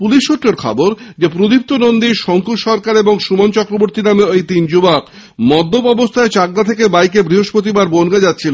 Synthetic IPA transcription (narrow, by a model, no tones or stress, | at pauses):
puliʃːuʈɾeɾkʰɔ̰boɾd͡ʑepɾod̪ip̚t̪onond̪iʃɔŋkuʃɔɾkaɾeboŋʃumant͡ɕɔkɾoboɾt̪inameojt̪ind͡ʑubak | mɔd̪ʱːobɔbost̪ʰaet͡ɕak̚d̪at̪ʰek̬ebajk̬ebɾiɦoʃpot̪̬ibaɾbonɡad͡ʑat̪ːɕʰilo